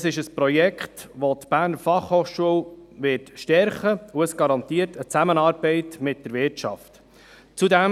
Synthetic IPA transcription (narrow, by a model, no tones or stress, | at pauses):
əsɪʃəspɾɔjɛkχtʋot̪b̥æːɾnəɾfɑχhoːχʃuəlʋɪɾtʃtɛɾχəuəsɡ̥ɑɾɑnt̪iːəɾtʰət͡sæmənɑːɾbɛɪtmɪt̚d̥əɾvɪt͡ʃɑ̰ft | t͡sudɛm